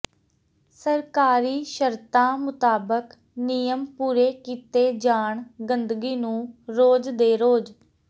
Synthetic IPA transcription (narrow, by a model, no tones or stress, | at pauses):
səɾkaːɾiːʃəɾt̪ãːmʊt̪aːbək | nijəmpuːɾeːkiːt̪eːd͡ʒaːɳɡənd̪ɡiːnũːɾoːd͡ʒd̪eːɾoːd͡ʒ